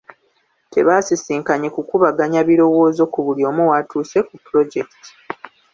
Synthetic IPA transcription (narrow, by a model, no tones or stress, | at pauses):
te̞̰βaːsisiːŋkaɲekukuβaɡaɲaβiɾo̞wo̞ːzo̞kuβuljo̞ːmuwatuːse̞kupuɾo̞ɟe̞kti̥